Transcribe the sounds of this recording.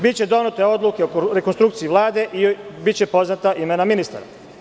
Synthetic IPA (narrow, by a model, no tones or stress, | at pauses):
bit̪t͡ɕe̞d̪o̞nut̪e̞o̞d̪lˠukeoɾekonst̪ɾukt̪siiʋlˠaːd̪e̞ʔibit̪t͡ɕe̞po̞znat̪aʔime̞naminist̪a̰ɾa̰